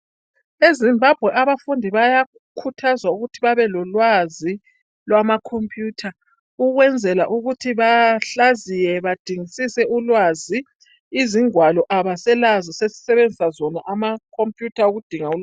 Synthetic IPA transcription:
ezimbʱab̥ʱwɛʔaβafundʱiβaja | kʰutʰazwauɣutʰiβaβɛlɔlwazi | lwamakʰompʼjuːtʰa | uɣwɛnd͡zʱɛla̰ʔuɣutʰiβaɬazijɛβad̥ʱiŋisisɛʔulwaziː | ziŋwalɔʔaβasɛlazisesi̥sɛβend͡zʱisazɔnaʔamakʰompʼjutʰauɣud̥ʱiŋaul

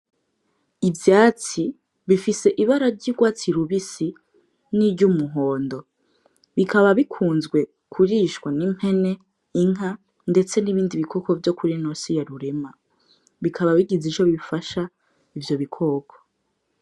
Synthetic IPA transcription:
ivjaːt͡si | βifise̞ʔiβaɾaɾɟiɡwaːt͡siɾuβisi | niɾɟumuɦo̞ːndo̞ | βikaβaβikʰuːnzɡwe̞ | kʰuɾiʃwanim̥he̞ne̞ | iŋ̥a | nde̞t͡se̞niβiːndiβikʰo̞ko̞vjo̞kʰuɾinosijaɾuɾe̞ma | βikʰaβaβiɡizit͡ʃoβifaʃa | ivjo̞βikʰo̞ːkʰo̥

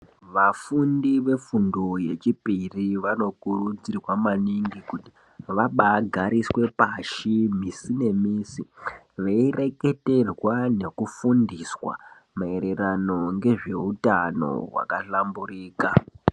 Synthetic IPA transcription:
ʋafundiʋe̞fundoje̞t͡ʃipiriʋano̞kurud͡zirwamaniŋɡikuti̥ | ʋaɓaɡʱaɾiswe̞paʃimisine̞miːsi | ʋeire̞ke̞te̞rwane̞kufundiswa̰ | mae̞ɾe̞ɾano̞ŋɡe̞ʐe̞utano̞̰ɦwa̰kaɬamburiːka

